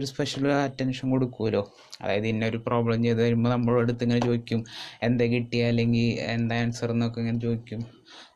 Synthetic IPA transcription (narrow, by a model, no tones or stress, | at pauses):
oɾuspeʂɐlaːtːɐnʂɐnko̞ɽukːuʋɐlo̞ː | ɐ̰ðaːjɐðɨinːeoɾupro̞ːbɭɐmt͡ɕe̞jt̪ːɐʋɐɾumboːnɐmːɐɭeɽut̪ːeŋːɐnet͡ɕo̞ːikʲːume̞nd̪eːkiʈːijalːe̞ŋɡilḛnd̪aːjɐnsɐrnːokːeŋːɐnet͡ɕo̞ːikʲːum